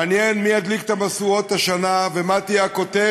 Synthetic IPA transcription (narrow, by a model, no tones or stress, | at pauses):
njenmiad̪likt̪amasuo̞t̪aʃanavemat̪ijaakot̪e